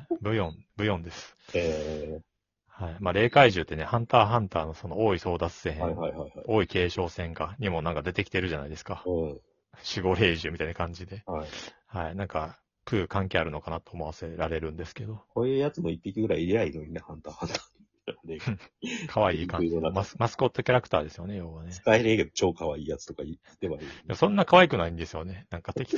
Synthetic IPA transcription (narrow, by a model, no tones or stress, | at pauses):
bɯ̟jõ̞nbɯ̟jõ̞nd̪e̞sɨ̥e | haimaːɾe̞ːkaiʑɨːt̪ːe̞ne̞hãnt̪aːɦãnt̪aːno̞so̞nooːiso̞ːd̪at͡sɨ̥seɦẽhaihaihaio̞ːike̞ːɕo̞ːsẽ̞ŋkaɲ̟imo̞nãŋkad̪e̞t̪e̞kʲi̥t̪e̞ɾɯ̟ʑana̰id̪e̞sɨ̥kaɯ̃ | ɕiɡo̞ɾe̞ːʑɨːmʲit̪ainakãɲ̟d͡ʑid̪e̞haihainãŋka | kɯ̟ːkãŋke̞aɾɯ̟no̞kanat̪ːo̞ːmo̞βase̞ɾaɾe̞ɾɯ̟̃nd̪e̞sɨ̥ke̞d̪o̞koːjɯːjat͡sɨmo̞ipʲːikʲiɡɯ̟ɾaiɾʲiainoɲinehãnt̪ahãnt̪a | d̪ekʰaβaiːkãmasmasɨ̥ko̞t̪ːo̞kʲaɾakɯ̟̥t̪aːd̪e̞sɨjo̞ne̞jo̞ːβane̞ɨ̥kaeɾɯked̪ot͡ɕo̞ːkaβaiːjat͡sɨ̥t̪okai | t̪ːeβaid̪emosõ̞nːakaβaikɯ̟naĩnd̪e̞sɨjo̞ne̞nãŋkat̪ekʲ